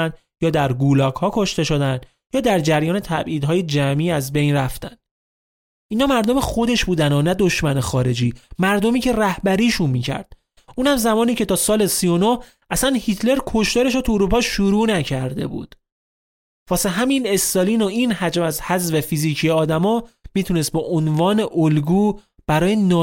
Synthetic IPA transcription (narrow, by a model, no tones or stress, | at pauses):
nd̪ | jɒːd̪æɾɡuːlɒːɡhɒːkʰo̞ʃt̪e̞ʃo̞d̪ænd̪ | jɒːd̪æɾd͡ʒæɾjɒːne̞t̪ʰæbʔiːd̪ɦɒːje̞d͡ʒæmʔiːæzbe̞jnræft̪ænd̪̥ | ʔiːnhɒːmæɾd̪o̞mexo̞d̪e̞ʃbuːd̪ænonæd̪o̞ʃmænexɒːɾe̞d͡ʒiːmæɾd̪omiːcʰe̞ræhbæɾiːʃunmiːcʰæ̰ɾd̪̥̚ | ʔuːnhæmzæmɒːniːcʰe̞t̪ʰɒːsɒːle̞sijo̞noh | ʔæsænhit̪ʰle̞ɾkʰo̞ʃt̪ɒːɾe̞ʃot̪ʰuoɾuːpʰɒːʃuɾuːnæcʰæɾd̪e̞̰bṵːd̪̥ | vɒːseɦæmine̞st̪ɒliːnoinhæd͡ʒmæzhæzvefiziːcʰijeɒːd̪æmɒːmiːt̪ʰunest̪̚bɒʔonvɒːne̞ʔolɡuː | b̥æɾɒːjenɒː